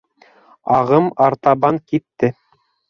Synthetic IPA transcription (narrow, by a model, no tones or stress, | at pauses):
ɑʁɤmɑɾt̪ɑbɑŋkit̪ːɘ